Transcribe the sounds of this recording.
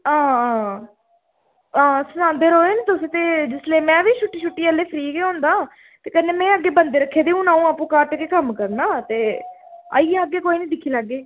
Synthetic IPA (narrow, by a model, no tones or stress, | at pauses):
ãːãː | ãːsənãːnd̪eɾoːeːnet̪ʊsĩːt̪eːd͡ʒɪsleːmɛ̃ːʋiːʃʊʈːiːʃʊʈːiːəlːeːpʰɾiːɡeːõːnd̪aː | t̪eːkɛːnːeːmɛ̃ːəɡːeːbənd̪eːɾəkʰːeːd̪eːũːnãːũːaːpːũːkəʈkeːkəmkəɾnaːt̪eːə̰iːaəɡːeːkoːiːnĩːd̪ɪkʰːiːlaːɡːeː